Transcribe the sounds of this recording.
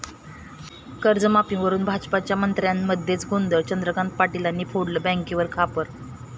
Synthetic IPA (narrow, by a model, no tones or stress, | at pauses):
kəɾd͡zəmapĩŋʋəɾuːnbʱad͡zpat͡ɕjamənt̪ɾjanməd̪ʱːjet͡sɡʱond̪əɾt͡ɕənd̪ɾəkant̪̚paʈilanːiːpʰoɽləːbɛ̃ŋkiʋəɾkʰapəɾ